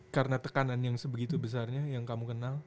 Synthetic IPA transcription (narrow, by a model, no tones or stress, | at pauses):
kaɾənat̪əkananjaŋsəbəɡit̪ubəs̬arɲajaŋkamukənal